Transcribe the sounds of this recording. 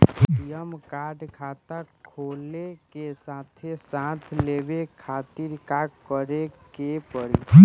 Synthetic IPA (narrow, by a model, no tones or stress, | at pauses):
jəmkaɖkʰat̪akkʰoːlekesat̪ʰesãt̪ʰlebekʰat̪iɾkakkːəɾekepəɾi